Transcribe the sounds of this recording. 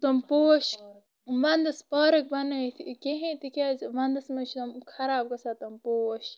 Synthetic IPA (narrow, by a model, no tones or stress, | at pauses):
t̪ompoːʃ | ʋɐnd̪ɐspɔːɾɐk̚bɐnɐt̪ʰikʲeɦẽt̪ikʲaːzʋɐnd̪ɐsmɐt͡ʃʰt̪umkʰɐɾaːb̚kɐsaːt̪ɐmpoːʃ